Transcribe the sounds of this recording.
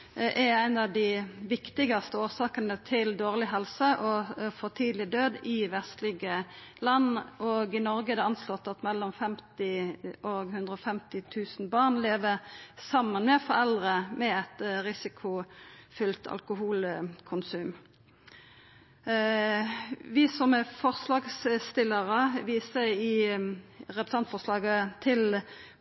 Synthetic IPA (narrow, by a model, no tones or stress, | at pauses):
ʔɛɾæɪnɑʋd̪ɪʋɪkt̪ɪɡɑst̪əoːsɑːkənət̪ʰɪld̪oːʁlɪɦɛlsəʔɔfɔʁt̪ʰiːd̪lɪd̪øːd̪ɪʋɛst̪lɪɡəlɑnːoɡɪnɔɾɡəɛd̪ɛɑnslɔt̪ːɑt̪mɛlːɔmfɛmt̪ɪʔoɡhʉnd̪ʁəɔfɛmt̪ɪt̪ʰʉːsn̩bɑːʁnleːʋəsɑmːənmɛfɔʁɛld̪ʁəmɛɛt̪ʁɪsɪkʰʊfʏlt̪ʰɑ̰lkʊɦuːlkʰʊnsʉːm | ʋɪsɔmɛfɔʁslɑːɡsst̪ɪlːəʁəʋiːsəɪ | ɾɛpɾəsɑnt̪fɔʁslɑːɡət̪ʰɪl